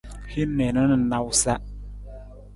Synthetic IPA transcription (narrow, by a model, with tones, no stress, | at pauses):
hi˦nɛ˨nə˦nə˨˦na˦wsa˦